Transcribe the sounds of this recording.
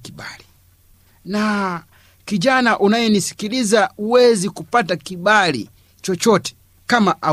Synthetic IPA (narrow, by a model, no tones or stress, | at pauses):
kibali | na | kiʄanaʔunajɛnisi̥kilizauwɛzikupatakiɓalḭ | t͡ʃɔt͡ʃɔtɛ̥ | kamaʔa